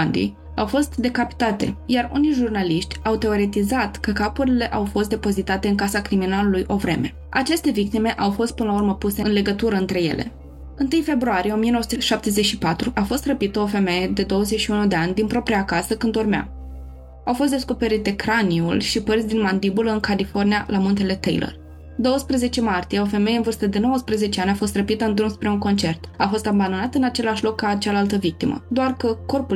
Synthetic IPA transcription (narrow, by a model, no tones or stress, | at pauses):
nd̪ḭj | awfo̞st̪d̪e̞kapi̥t̪at̪e̞̰jarṵnijʒurnaliʃt̪ʲawt̪e̞o̞ɾet̪izat̪kəkapuɾile̞ʔawfo̞st̪d̪e̞po̞zit̪at̪e̞ɨnŋkasakɾiminalulujʔo̞vɾe̞me̞ | a̰t͡ʃe̞st̪e̞vik̚t̪ime̞ʔawfo̞st̪̚pɨnlaurməpuseɨnle̞ɡət̪uɾəɨnt̪ɾe̞je̞̰lʔe̞̰ | ɨnt̪ɨjfe̞bɾuaɾije̞o̞mijeowəsu̥t̪əʃap̚t̪e̞zet͡ʃʃipat̪ɾuʔafo̞st̪rəpit̪əo̞fe̞me̞je̞d̪e̞d̪o̞wəzeʃiunud̪e̞anʲd̪inpɾo̞pɾiakasəkɨnd̪urmea̰ | awfost̪d̪esko̞pe̞ɾit̪e̞kɾaniṵlʃipərt̪sʲd̪inmand̪ibuləɨnkalifo̞rnijalamunt̪e̞le̞t̪ḛjlʔə̰r | d̪o̞wəspɾəze̞t͡ʃe̞mart̪ije̞o̞fe̞mejeɨnvɨrst̪əd̪e̞no̞wəspɾəze̞t͡ʃeanʲafo̞st̪rəpit̪əɨnt̪ɾunspɾeunko̞nt͡ʃe̞rt̪afo̞st̪amband̪o̞nat̪əɨnat͡ʃe̞laʃlo̞kːaːt͡ʃalalt̪əvik̚t̪imə̰d̪oarkəko̞rpu